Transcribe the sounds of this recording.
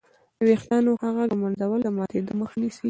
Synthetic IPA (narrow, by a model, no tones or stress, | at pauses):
d̪əwext̪jɑnohaɣad̪əmanzawəld̪əmɑt̪ed̪oməxanisi